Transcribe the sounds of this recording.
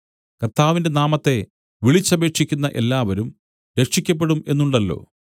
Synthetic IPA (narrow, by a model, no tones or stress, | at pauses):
kɐrt̪aːʋinde̞naːmɐt̪ːe̞ | ʋiɭit͡ɕːɐbe̞ːkʂikʲːunːɐʔe̞lːaːʋɐɾum | ɾe̞kʂikʲːɐp̬ːe̞ɽume̞nːuɳɖɐlːo̞̰ː